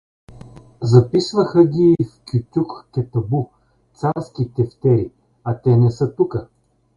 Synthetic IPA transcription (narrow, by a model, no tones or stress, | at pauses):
zɐpisvɐxəɡʲiːfkʲut̪ʲukkɛt̪ɐbu | t̪saɾskʲit̪ɛft̪ɛɾi | ɐt̪ɛnɛsɤt̪ukə